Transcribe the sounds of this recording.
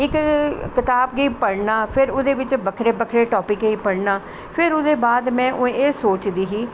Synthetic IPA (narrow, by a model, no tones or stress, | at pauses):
ɪkkɪt̪aːbɡəiːpəɽnaːpʰɪɾʊd̪eːʋɪt͡ʃbəkʰɾeːbəkʰɾeːʈɔːpɪkːiːpəɽnaː | pʰɪɾʊd̪eːbaːd̪mɛ̃ːʔʊẽeːsoːt͡ʃd̪iːɦiː